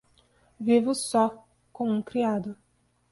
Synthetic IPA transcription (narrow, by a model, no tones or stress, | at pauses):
vivʊsɔ | kõũkɾiad̪ʊ